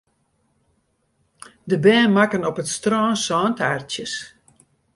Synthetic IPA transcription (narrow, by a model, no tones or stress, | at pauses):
dəbɛːnmakənɔpətstrɔːnsɔːntʰartjəs